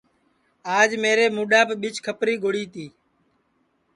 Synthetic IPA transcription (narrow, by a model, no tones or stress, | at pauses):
aːd͡ʒmeːɾeːmuːɗaːpɓɪt͡ʃkʰəpɾiːɡʱoɽiːt̪iː